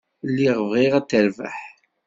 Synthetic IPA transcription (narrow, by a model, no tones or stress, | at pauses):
lːiʁvʁiʁæt̪ːəɾvə̰ħ